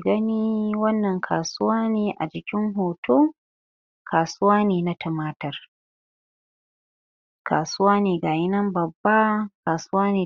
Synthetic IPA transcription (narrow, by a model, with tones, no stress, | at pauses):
ɡɐ˦niː˦wɐ˦nːɐ˨ŋkʰaː˨sʊ˦waː˦niː˨ʔa̰˨d͡ʒɪ˨kʲɪ˦ŋɦoː˨toː˦ | kʰaː˨sʊ˦waː˦niː˨na˦tʰɐ˨maː˦tɐ˨r | ka̰ː˨sʊ˦waː˦niː˨ɡa˨jɪ˦nɐ˦mbɐ˨bːa˦kaː˨sʊ˦waː˦niː˨